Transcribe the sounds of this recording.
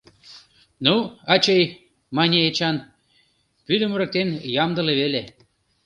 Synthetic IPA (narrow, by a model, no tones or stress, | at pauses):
nuɑt͡ɕej | mɑnʲeet͡ɕɑn | pyd̪ə̆məɾə̆k̚t̪enjɑmd̪ə̆leβele